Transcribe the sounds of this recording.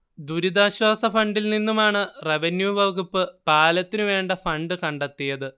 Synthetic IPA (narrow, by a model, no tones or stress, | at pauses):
d̪uɾid̪aːɕwaːsɐfɐɳɖilninːumaːɳɨre̞ʋenjuʋɐʋkupːɨpaːlɐt̪ːinɨʋe̞ːɳɖɐfɐɳɖɨkɐɳɖɐt̪ːijɐðɨ